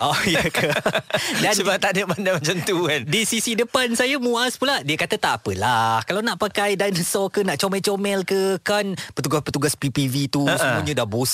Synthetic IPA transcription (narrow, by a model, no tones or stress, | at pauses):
ʔojəkə | dansəbat̪aʔdəmandamat͡ʃamt̪ukandisisidəpansajamuaspuladiakat̪at̪apəlahkalawnaʔpakajdajnəsɔkənaʔt͡ʃɔmɛt͡ʃomɛlkəkanpət̪uɡaspət̪uɡaspipivit̪usəmuɲədabos